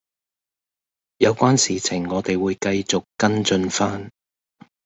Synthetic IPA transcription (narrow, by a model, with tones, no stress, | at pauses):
jɐ˨˧wkʷaː˥nsiː˨t͡sʰɪ˨˩ŋːɔː˨˧t̪e˨jwuː˨˧jkɐ˧jt͡sʊ˨kkːɐ˥nt͡sɵ˧nfaː˥n